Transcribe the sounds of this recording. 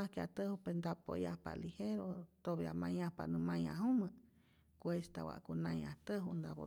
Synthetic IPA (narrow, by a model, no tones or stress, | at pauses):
ahkeat̪əhupend̪apo̰jahpa̰liheɾot̪oβiamãj̃ahpanũmãj̃ãɦumɨ̃ | kʷest̪awa̰ʔkunãĩat̪əɦund̪aβo̰